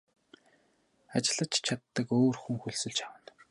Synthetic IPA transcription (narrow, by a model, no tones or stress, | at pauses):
at͡ɕɪ̆ɮə̆t͡ɕt͡ɕʰat̪ːə̆koːrxuŋxuɮsɵ̆ɮt͡ɕʰawə̆n